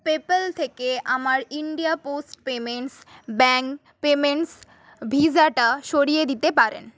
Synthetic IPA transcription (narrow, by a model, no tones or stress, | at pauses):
pepelt̪ʰekeʔamaɾiɳɖijaposʈpemeɳʈs | bɛŋk | pemeɳʈs | bʱid͡ʑaʈaʃoɾijed̪it̪epaɾḛn